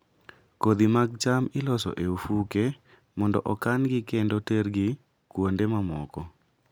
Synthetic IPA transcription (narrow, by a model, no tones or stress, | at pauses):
kod̪imaɡ̚t͡ʃamɪlɔsɔ̰ʔeufuke | mɔndɔʔɔkanɡɪkendoteɾɡi | kwondemamɔkɔ